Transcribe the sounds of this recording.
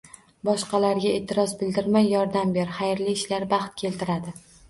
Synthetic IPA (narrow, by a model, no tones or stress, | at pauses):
bɒʃqɑlaɾɡʲae̞ːt̪ʰːɪɾɒzbɪld̪ɪɾmajːɒɾd̪ambe̞ɾχajɾliːʃlaɾbɑχt̪̚kʲʰe̞lt̪ʰɪɾad̪ɪ